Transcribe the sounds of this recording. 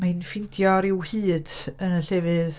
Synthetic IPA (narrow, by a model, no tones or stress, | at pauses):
majnfɪndjɔɾɪwhiːd̥əɬɛːvɨð